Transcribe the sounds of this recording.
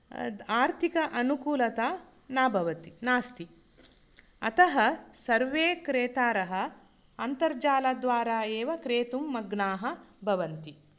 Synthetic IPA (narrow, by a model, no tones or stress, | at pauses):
aːɾt̪ʰikɐʔɐnukuːlɐt̪aː | naːbʱɐʋɐt̪inaːst̪i | ɐt̪ɐɦɐsɐɾʋeːkɾeːt̪aːɾɐɦɐ̆ | ɐnt̪ɐɾd͡ʒaːlad̪ʋaːɾaːeːʋɐkɾeːt̪umːɐɡnaːɦɐbʱɐʋɐnt̪i